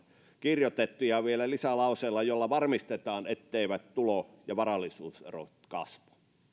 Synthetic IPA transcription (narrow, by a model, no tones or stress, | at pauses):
kirjot̪et̪ːujɑʋielælisælɑˑuseːlːɑjolːɑʋɑrmist̪et̪ɑːnet̪ːeˑiʋæt̪t̪ulojɑʋɑrɑlːˑisuːsḛro̰t̪kɑ̰sʋo̥